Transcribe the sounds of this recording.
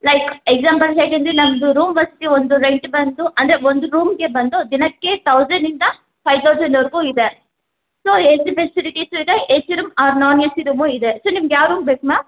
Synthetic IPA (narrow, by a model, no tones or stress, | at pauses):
lɐjkeɡzaːmpɐlsaːʈeɐnd̪ɾinɐmd̪uɾuːmʋɐɾsi̥t̪iond̪uɾeɳʈbɐnd̪uʔɐnd̪ɐɾeond̪uɾuːmɡebɐnd̪od̪inɐkːet̪ɐwzɐɳɖind̪ɐ | pʰɐjʋt̪ʰɐwzɐ̃ɳɖɐʋɐɾɡuːid̪e | soːendipesiliʈiːsoid̪eesiɾumaːɾnɔːnjɐsiɾuːmoːid̪esoːnimɐɡjaːʋɾuːmbeːkma